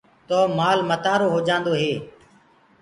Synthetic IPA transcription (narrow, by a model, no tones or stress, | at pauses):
t̪ɔːmaːlmət̪aːɾoːɦoːd͡ʒãːnd̪oːɦeː